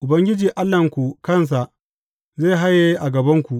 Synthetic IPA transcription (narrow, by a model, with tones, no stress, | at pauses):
ʔʊ˨bɐ˦ŋɡʲɪ˦d͡ʒiː˨ʔa˦lːɐ˨ŋkʷu˨kɐ˦˨ns̬a˨ʔ | zeː˦˨ɦa˦jːe˦ʔa˨ɡɐ˨bɐ˦ŋkʷu˨ʔ